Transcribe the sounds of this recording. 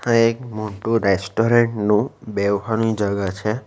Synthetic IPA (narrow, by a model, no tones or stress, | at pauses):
hãekmuʈuɾesʈoɾeɳʈnũbeɦanũid͡ʒəɡat͡ʃʰe